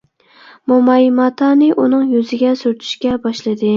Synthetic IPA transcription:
momɑjmɑt̪ʰɑnɪʔunɪŋjʊzɪɡʲasʊɾt̪ʰɪ̥ʃkʲabɒʃlɪd̪ɪ

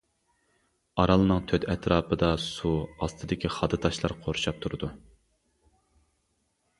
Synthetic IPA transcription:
ɑɾɑlˠɨnɨŋt̪ʰøt̪ɛt̪ʰɾɑːpʰəd̪ɑsuɑst̪ʰɨd̪ɪkʲʰiχɑd̪ɨt̪ʰɑʃlˠɑɾqʰoɾuʃɑp̚t̪ʰuɾɨd̪u

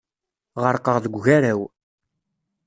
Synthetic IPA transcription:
ʁəɾqəʁðəɡʷʝæɾæw

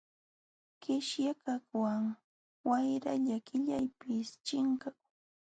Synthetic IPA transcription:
kɪʃjakakwaŋ | wajɾaʎakɪʎajpɪst͡ʃɪŋkakʊŋ

